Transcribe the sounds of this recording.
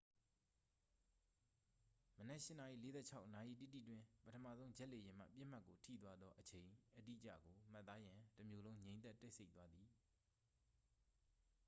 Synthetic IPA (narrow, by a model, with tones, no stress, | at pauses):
mənɛ˦ʔʃɪ˦˨na˨ʔḭ˦˨le˨˦zɛ̰˦˨t͡ɕʰa˦ʊʔna˨ʔḭ˦˨tḭ˦˨tḭ˦˨twɪ̃˦pətʰə˨mä̰˦˨zõ˦ʊ̃ɲd͡ʑɛ˦ʔle˨jɪ̃˨m̥a̰˦˨pjɪ˦˨m̥a˦ʔkːo˨tʰḭ˦˨t̪̬wa˦d̪ðɔ˦ʔət͡ɕʰẽ˨ɪ̃ʔədḭ˦ʔət͡ɕä̰˦˨ɡo˨m̥a˦t̪ːa˦jã˨təmjo˨lõ˦ʊ̃ɲẽ˨ɪ̃ɛ˦˨tːɛ˦ɪsʰe˦ɪʔt̪wa˦d̪ði˨